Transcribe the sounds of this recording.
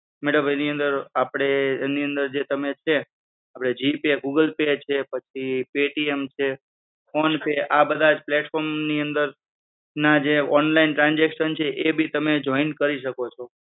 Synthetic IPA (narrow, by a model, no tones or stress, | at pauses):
meɽə̃mbʱaniə̃nd̪əɾapɽ̃eniə̃nd̪əɾd͡ʒet̪əmet͡ʃʰe | apɽ̃ed͡ʒipeɡuɡəlpet͡ʃʰepət͡ʃʰipeʈiemt͡ʃʰe | fʰonpeabəd̪ʱad͡ʒpleʈfɔɾmniənd̪əɾ | nad͡ʒeɔnlainʈɾãnd͡ʒekʃənt͡ʃʰeʔebʱit̪əmed͡ʒɔinkəɾiʃəkot͡ʃʰo